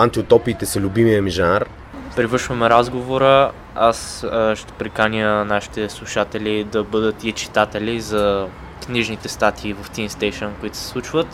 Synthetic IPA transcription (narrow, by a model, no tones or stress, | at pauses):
ãnt̪iʊt̪ɔpiːt̪ɛsɛlʲubimijəmiʒaaɾ | pɾivɤɾʃvɐmɛɾazɡovoɾə | asʃt̪ɛ̥pɾikanʲjənaʃi̥t̪ɛslˠuʃat̪ɛlʲid̪ɐbɤd̪ət̪it͡ʃi̥t̪at̪ɛlʲizɐ | kniʒnit̪ɛst̪at̪ʰiːvɐft̪inst̪ɛjʃənkoit̪ʊ̥sɛ̥slˠut͡ʃvət̪